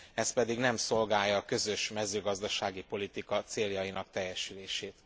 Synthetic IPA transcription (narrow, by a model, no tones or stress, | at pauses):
ɛst̪pɛd̪iɡnɛmso̞lɡaːjːɒːkø̞zø̞ʃmɛzøːɡɒzd̪ɒʃaːɡipo̞lit̪ikɒt̪seːljɒjinɒkt̪ɛjːɛʃyleːʃeːt̪